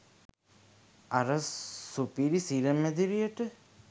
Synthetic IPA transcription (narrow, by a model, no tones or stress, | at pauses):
aɾəsupiɾisiɾəmːed̪iɾijəʈə